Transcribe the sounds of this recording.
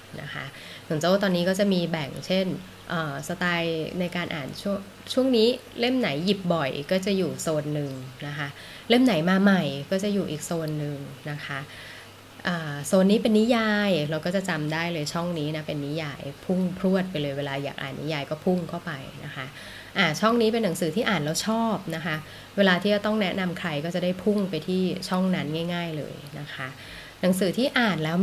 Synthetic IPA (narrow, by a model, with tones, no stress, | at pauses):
na̰˦˥kʰa̰˦˥ʔ | su˩˦nsoː˧˩t̪̬ɔː˧nːiː˦kɔː˥˩t͡ɕa˨˩miː˧bɛ˨˩ŋt͡ɕʰe˥˩n | ʔəː˨˩sa˧t̪aː˧jna˧jkaː˧nʔa̰ː˨˩nt͡ɕʰu˥˩əŋ | t͡ɕʰu˥˩əŋniː˦˥le˥˩mna˩˦jːi˨˩p̚bɔ˨˩jkɔː˥˩t͡ɕa˨˩juː˨˩soː˧nːɯ˨ŋna˦˥kʰa˦˥ʔ | le˥˩mna˨˩˦jmaː˧ma˨˩jkɔː˥˩t͡ɕa˨˩juː˨˩ʔḭː˨˩k̚soː˧nːɯ˨˩ŋna˦˥kʰa˦˥ʔ | ʔɤː˨˩soː˧nːiː˦˥pe˧nːi˦˥jaː˧jɾa˧wkɔː˥˩t͡ɕa˨˩t͡ɕa˧mdaː˥˩jlɤː˧jt͡ɕʰɔ˥˩ŋniː˦˥na˦˥pe˧nːi˦˥jaː˧jpʰu˥˩ŋpʰɾu˥˩ət̪̚pa˧jlɤː˧jweː˧laː˧ja̰ː˨˩k̚ʔa̰ː˨˩nːḭ˦˥jaː˧jkɔː˥˩pʰu˥˩ŋkʰa˥˩wpa˧jna̰˦˥kʰa˦˥ | ʔaː˧˩t͡ɕʰɔ˥˩ŋniː˦˥pe˧nːa˩˦ŋsɯː˨˦t̪ʰiː˥˩ʔaː˨˩nlɛː˦˥wt͡ɕʰɔː˥˩p̚na˦˥kʰa˦˥ʔ | weː˧laː˧t̪ʰiː˥˩t͡ɕa˧˩t̪ɔ˥˩ŋnɛ˦˥na˧mkʰɾa˧jkɔː˥˩t͡ɕa˨˩da˥˩jpʰu˥˩ŋpa˧jt̪ʰiː˥˩t͡ɕʰɔ˥˩ŋna˦˥nŋaː˥˩jŋaː˥˩jlɤ̰ː˧jna˦˥kʰa˦˥ʔ | na˩˦ŋsɯː˨˩˦t̪ʰiː˥˩ʔaː˨˩nlɛː˦˥w